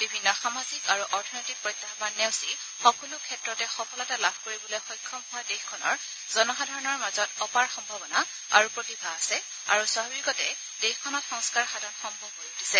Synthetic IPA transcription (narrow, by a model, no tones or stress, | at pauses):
bibʱinːɔxamazikaɹuʔɔɹtʰɔnɔjtik̚pɹɔjt̪ːaɦɔbanːɛwsi | xɔkɔlukʰɛtɹɔtɛxɔkɔlɔtalabʱkoɹibɔlojxɔjkʰːɔmɦʊadexkʰɔnɔ̰ɹ | zɔnɔxadʱɔɹɔnɔɹmazɔtɔpaɹxɔmbʱabɔna | a̰ɹupɹotibʱaːsɛ | a̰ɹuswababikɔtɛ | d̥exkʰɔnɔtxɔŋskaɹxadʱɔnxɔmbɔmɦojutisɛ